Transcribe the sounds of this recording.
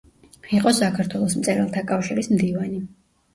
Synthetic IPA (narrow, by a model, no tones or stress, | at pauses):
iqʼɔsakʰaɾt̪ʰwɛlˠɔsmt̪sʼɛɾalˠt̪ʰakʼafʃiɾismd̪ivani